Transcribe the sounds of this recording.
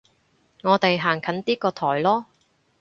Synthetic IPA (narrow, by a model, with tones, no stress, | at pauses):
ŋɔː˨˧t̪e˨jɦaː˨˩ŋkʰɐ˨˥nt̪iː˥kɔː˧t̪ʰɔː˨˩jlɔː˥